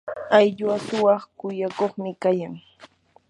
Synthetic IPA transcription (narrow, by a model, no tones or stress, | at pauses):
ajʎwasʊwɑχkʊjakoχmɪkajaŋ